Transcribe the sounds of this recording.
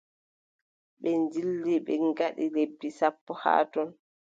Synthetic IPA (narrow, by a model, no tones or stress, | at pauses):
ɓɛnd͡ʒilːiɓɛŋɡaɗilebːisapːɔha̰ːtɔn